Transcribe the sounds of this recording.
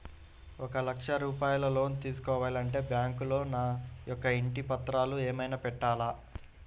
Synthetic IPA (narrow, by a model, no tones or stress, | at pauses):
ɔkɐlɐkʂɐɾuːpaːjulɐlo̞ːnt̪iːsu̥kɔːʋaːlɐɳʈe̞ːbjaːŋkulo̞ːnaːjɔkːɐiɳʈipɐt̪ɾaːlueːmɐjnaːpɛʈːaːlaː